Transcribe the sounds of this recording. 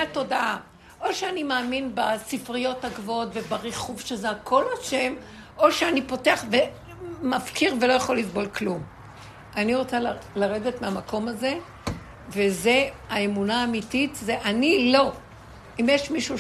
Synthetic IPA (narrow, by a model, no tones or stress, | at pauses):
ato̞daʔa | ʔo̞ʃeanimaːminbasifʁijo̞thaɡvootve̞baʁiχuvʃezeakʰo̞laʃe̞m | ʔo̞ʃeanipo̞teaχve | mafkiʁvelo̞jaχo̞lːisbo̞lklum | ʔaniʁo̞t͡sallaʁe̞de̞tmeamako̞maze̞ | ve̞ze̞aemunaːmititzeʔanilo̞ | imjeʃmiʃu